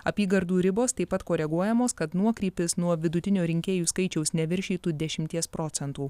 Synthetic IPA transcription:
ɐpʲiːɡɐɾd̪uːɾʲɪboːst̪ɐɪpːɐt̪koːɾʲɛɡuɔjɛmoːskɐt̪nuɔkɾʲiːpʲɪsnuɔʋʲɪd̪ʊt̪ʲɪnʲoːɾʲɪŋʲkʲeːjuːskɐɪt͡ʃʲɛʊsnʲɛʋʲɪɾʲʃʲiːt̪uːd̪ʲɛʃʲɪmʲt̪ʲiɛspɾoːt̪sʲɛnt̪uː

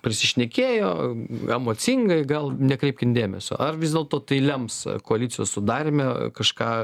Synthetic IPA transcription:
pʲɾʲɪsʲɪʃʲnʲɛkʲeːjoːɛmoːtt͡s̪ʲɪŋɡɐɪɡɐlˠnʲɛkɾʲɛɪpʲkʲɪnd̪ʲeːmʲɛsʲo̰ːʔɐrʋʲɪzd̪ʲeɛlˠt̪oːt̪ɐɪlʲɛmpskoɐlʲiːtt͡s̪ʲɪjo̰ːssʊd̪ɑːɾʲɪmʲɛkɐʃkɑː

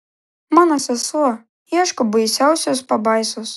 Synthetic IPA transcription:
manɐsɐslˠɔ | jaʂkɐbɨjsʲawsʲɐspabajsus

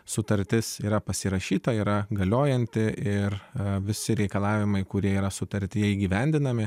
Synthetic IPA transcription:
sʊt̪ɐɾʲt̪ʲɪsiːɾɐpɐsʲɪɾɐʃʲiːt̪ɐiːɾɐɡɐlʲoːjɛnʲt̪ʲɪʔɪrʋʲɪsʲɪɾʲɛɪkɐlˠɑːʋʲɪmɐɪkʊɾʲiɛiːɾɐsʊt̪ɐɾʲt̪ʲɪjɛiːɡʲiːʋʲɛnʲd̪ʲɪnɐmʲɪ

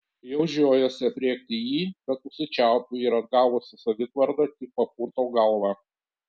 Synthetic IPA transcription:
jɛʊʒʲoːjɛsʲɪpʲɾʲiɛk̚t̪ʲɪjiːbʲɛt̪ʊʃsʲɪt͡ʃʲæˑʊt̪uɪɾɐd̪̚ɡɑˑːʋʊsʲɪsɐʋʲɪt̪ʋɐɾd̪ɐt̪ʲɪk̚pɐp̚uːɾt̪oːɡɐlˠʋɑ

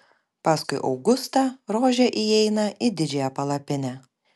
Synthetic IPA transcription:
pɑːskʊɪʔɒ̰ʊɡʊst̪ɐɾoːʒʲɛʔiɛɪnɐʔɪd̪ʲɪd͡ʒʲɛjɛpɐlˠɐpʲɪnʲɛː

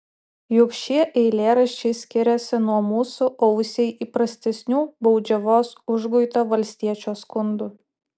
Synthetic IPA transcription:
jʊkʃʲiɛʔɛɪlʲeːɾɐʃʲt͡ʃʲɛɪsʲkʲɪɾʲɛsʲɪnuɔmuːsʊʔɔʊsʲɛɪʔiːpɾɐsʲt̪ʲɛsʲnʲuːbɔʊd͡ʒʲɛʋoːsʊʒɡʊɪt̪oːʋɐlʲsʲt̪ʲiɛt͡ʃʲoːskʊnd̪u

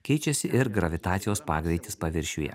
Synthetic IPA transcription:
kʲɛɪt͡ʃʲɛsʲɪʔɪɾɡɾɐʋʲɪt̪ɑːt̪sʲɪjoːspɑːɡɾʲɛɪt̪ʲɪ̥spɐʋʲɪɾʲʃʲuːjɛ̰

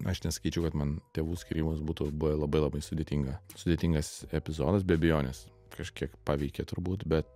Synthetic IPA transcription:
ɐʃnʲɛsɐ̥kʲiːt͡ʃʲɛʊkɐt̪mɐnt̪ʲeːʋuːsʲkʲiɾʲiːmʊsbuːt̪uːbʊʋɛlˠɐbɐɪlˠɐbɐɪsʊd̪ʲeːt̪ʲiːŋɡɐsʊd̪ʲeːt̪ʲiŋɡɐsɛpʲɪzoːd̪ɐs̬bʲɛbʲɛjoːnʲɛs | kɐʃkʲiɛkpɑːʋʲɛɪkʲet̪ʊɾbuːt̪bʲɛt̪̚

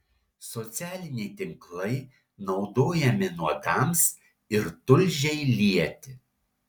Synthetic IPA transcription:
sɔt̪sʲæːlʲɪnʲɛɪt̪ʲɪŋklˠɐɪ | nɒʊd̪oːjɛmʲɪnuɔd̪ɑˑms | ɪɾt̪ʊlʲʒʲɛɪlʲiɛt̪ʲɪ

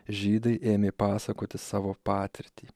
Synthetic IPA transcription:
ʒʲiːd̪ɐɪʔeːmʲeːpɑːsɐkoːt̪ʲɪsɑːʋoːpɑːt̪ʲɪɾʲt̪ʲiː

